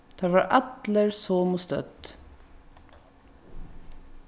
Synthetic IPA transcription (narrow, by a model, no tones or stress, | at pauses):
t̪ʰɑːʋaːɹʔɑt̪ləɹsoːmʊst̪œ̰t̪